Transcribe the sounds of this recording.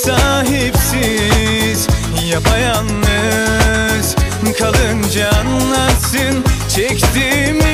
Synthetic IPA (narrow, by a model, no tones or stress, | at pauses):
saːɦipsi | z̥ | japʰajanːø | z̥ | kʰalˠɯnd͡ʒaanlat̪sɯnt͡ʃʰɛkt̪imi